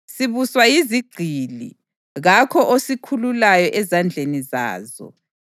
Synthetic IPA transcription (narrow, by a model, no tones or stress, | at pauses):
siβuswajiziɡ͡ǀʱilḭ | ɣakʰɔʔosikʰululajɔʔɛzand͡ɮʱeniza̰ːzɔ̰